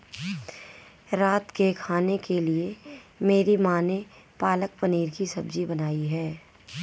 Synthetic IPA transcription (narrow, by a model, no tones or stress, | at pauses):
ɾaːt̪kekʰaːnekeliemeːɾimaːne | paːləkpəniːɾkisɐbd͡ʒibɐnaːiɦɛː